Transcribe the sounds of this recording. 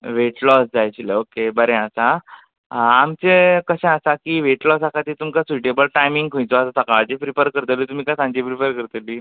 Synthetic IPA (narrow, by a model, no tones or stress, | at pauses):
ʋeʈlɔsd͡zajt͡ɕileokebəɾɛ̃əsa | amt͡sekəɕɛ̃əsakiʋeʈlɔsakat̪iːt̪umkasuiʈebəlʈajmiŋɡkʰõjt͡soasasakad͡ʑepɾipəɾkəɾt̪əlit̪um̤iːkasãɲd͡ʑipɾipəɾkəɾt̪əliː